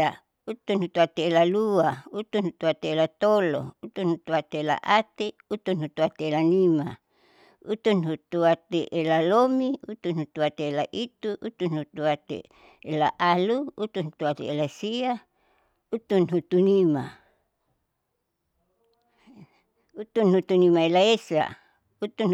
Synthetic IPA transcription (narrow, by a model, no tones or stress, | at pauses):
a | ut̪unhut̪uat̪eelaluaut̪unhut̪uat̪eelat̪olo̰ut̪unhut̪uat̪eela̰ʔat̪eut̪unhut̪uat̪eelanima | ut̪unɦut̪uat̪eʔelalomiut̪unhut̪uat̪eelaʔit̪uʔut̪unhut̪uat̪ḛ | elaʔaluut̪unhut̪uat̪ḛelasia | ut̪unɦut̪unima | ut̪unhut̪unimaelaesa̰ | ut̪un